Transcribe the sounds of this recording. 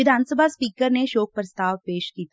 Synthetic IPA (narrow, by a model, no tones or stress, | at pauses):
ɪd̪ʱaːnsəbʱaspiːkəɾneʃoːk̚pɾəst̪aːʋpeːʃkiːt̪